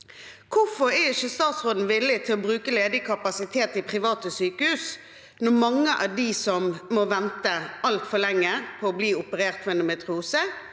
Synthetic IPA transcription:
kʰʊfɔɾæɪʃəst̪ɑːt̪sɾoːd̪n̩ʋɪlːɪt̪ʰɪlɔbɾʉːkəleːd̪ɪkʰɑpɑsɪt̪ʰeːt̪ɪpʰɾɪʋɑːt̪əsyːkəhʉːs | nɔmɑŋːəʔæd̪isɔmmoʋɛnt̪əɑlt̪fɔlɛŋːəpʰɔɔbliːʊpəɾeːʁt̪fmɛɛnʊmɛt̪ʰɾuːsə

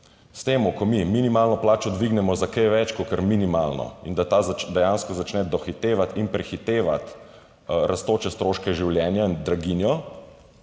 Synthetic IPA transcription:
st̪eːmʊkɔmiminimaːlnɔplaːt͡ʃɔd̪ʋiɡnɛmɔzakɛjʋɛt͡ʃkɔkəɾminimalnɔ̰ḭnd̪at̪aːzd̪ɛjanskɔzat͡ʃnɛd̪ɔxit̪eːʋat̪inpɾɛxit̪eːʋa̰t̪ | ɾʔast̪oːt͡ʃɛst̪ɾoːʃkɛʒiwljɛːnjaind̪ɾaɡinjɔ

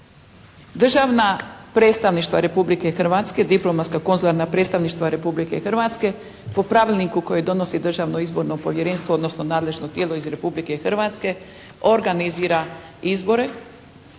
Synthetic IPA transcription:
d̪r̩ʒaʋnapɾeːt̪st̪aʋniʃt̪ʋaɾe̞publike̞xr̩ʋat̪ske̞d̪iplˠo̞mat̪skako̞nzulˠaɾnapɾet̪st̪aʋniʃt̪ʋaɾe̞publike̞xr̩ʋat̪ske̞ | po̞pɾaʋilʲnikuko̞jed̪o̞no̞sid̪r̩ʒaʋno̞izbo̞ɾno̞po̞ʋjeɾeːnst̪ʋood̪no̞sno̞naːd̪le̞ʒno̞t̪je̞ːlo̞izɾe̞publike̞xr̩ʋat̪ske̞ | o̞ɾɡaniziːɾaizbo̞ɾe̞

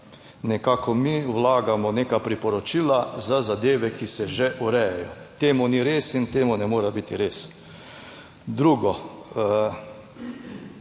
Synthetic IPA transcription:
nɛkaːkɔmiːwlaːɡamɔnekapɾipɔɾɔt͡ʃilazazad̪eːʋɛkisɛʒɛʔuɾɛjajɔ | t̪eːmuniɾeːsint̪eːmunɛmoːɾabit̪iɾeːs | d̪ɾuɡɔ

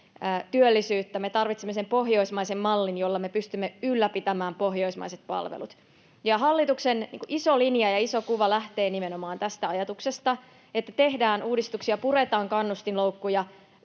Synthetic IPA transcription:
t̪yølːisyːt̪ːæme̞t̪ɑrʋit̪semːesempo̞ɦjo̞ismɑisemːɑlːinjolːɑmepyst̪ymːeylːæpit̪æmæːmpoɦjo̞ismɑ̰iset̪̚pɑ̰lʋḛlut̪ | jɑɦɑlːit̪uksennḭːŋkuʔisolinjɑjɑisokuʋɑlæht̪e̞ːnimenomɑːnt̪æst̪æɑjɑt̪uksest̪ɑ | et̪ːæt̪e̞ɦdæːnuːdist̪uksiɑpuret̪ɑːŋkɑnːust̪inlowkːujɑ

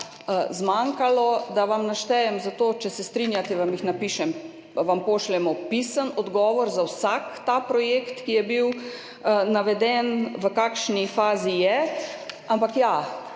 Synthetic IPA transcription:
zmaŋkalɔd̪aʋamnaʃt̪ɛjɛmzat̪oːt͡ʃɛsɛst̪ɾinjat̪ɛʋamjixnapiːʃɛm | ʋampoːʃlɛmɔpisənɔd̪ɡɔːʋɔɾzawsakt̪apɾɔjekt̪kijɛbiw | naʋɛd̪ɛnʋəkaːkʃnifaːzijɛ | ampakja

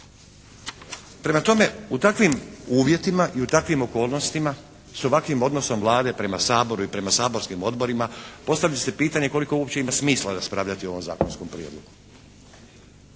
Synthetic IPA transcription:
pɾe̞mat̪o̞me̞ut̪akʋimuːʋje̞t̪imaʔiut̪akʋimo̞ko̞ːlˠno̞st̪ima | so̞ʋakʋimo̞d̪no̞so̞mʋlˠaːd̪e̞pɾe̞masaːbo̞ɾuipɾe̞masaːbo̞ɾskimo̞d̪bo̞ɾimapo̞st̪aʋʎase̞piːt̪aɲe̞ko̞liko̞uopt͡ɕe̞imasmiːslaɾaspɾaːʋʎat̪io̞ʋo̞mza̰ːko̞nsko̞mpɾijḛːd̪lˠo̞̰ɡu

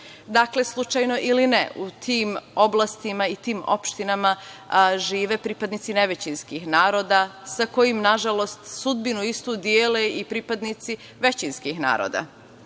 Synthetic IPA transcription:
d̪akle̞slˠut͡ʃajno̞ʔilinḛut̪ʰiːmo̞blˠast̪imait̪iːmo̞̰pʃt̪inamaʒiːʋe̞pɾiːpad̪nit̪sine̞ʋet͡ɕinskixnaːɾo̞ːd̪asako̞jimnaʒalo̞st̪sud̪binuist̪uːd̪jeːleipɾipad̪nit̪si | ʋe̞t͡ɕinskixna̰ːɾo̰d̪a̰

